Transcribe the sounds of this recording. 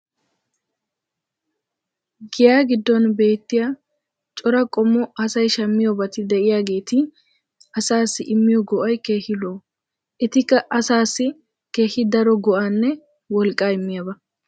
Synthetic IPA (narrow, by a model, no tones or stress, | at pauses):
ɡɪjaːɡɪd̪ːɔnbe̞ːt̪ːɪjaː | t͡ʃʼɔɾɐkʼɔmːɔɐsɐjʃɐmːɪjɔbɐt̪ɪd̪ɛʔɪjaːɡe̞ːt̪ɪ | ɐsaːsːɪʔɪmːɪjɔɡɔʔɐjke̞ːhɪloː | ʔɛt̪ɪkːɐʔɐsaːsːɪ | ke̞ːhɪd̪ɐɾɔɡɔʔanːɛ | wɔlkʼːaːɪmːɪjabɐ